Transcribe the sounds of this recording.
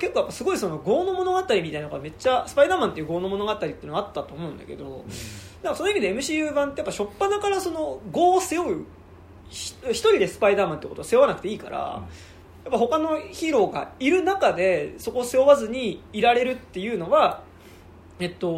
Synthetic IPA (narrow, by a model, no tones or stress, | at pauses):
ke̞kːoːjapːasɨɡo̞iso̞no̞ɡo̞ːno̞mo̞no̞ɡat̪aɾʲimʲit̪ainoɡame̞t͡ɕːasɨ̥paid̪aːmãnt̪ejɯ̟ɡo̞ːno̞mo̞no̞ɡat̪aɾʲit̪eɯnat̪ːat̪o̞ːmo̞ɯ̟̃nd̪a̰ke̞̰d̪o̞ | d̪aŋkːasonoimid̪e̞emɯ̟ɕiːjɯːbãnt̪ejapːaɕo̞pːanakaɾaso̞no̞ɡo̞ːsejoɯ̟ | çi̥çi̥t̪o̞ɾʲid̪e̞sɨ̥paid̪aːmãnt̪eːkot̪o̥aseoanakɯ̟t̪e̞iːka̰ɾa̰ | japːaho̞kano̞çiɾo̞ːɡa̰iɾɯ̟nakad̪e̞soko̞ːsejoβazɨɲ̟iːɾaɾe̞ɾɯ̟t̪ːe̞jɯ̟ːno̞βa | e̞t̪ːo̞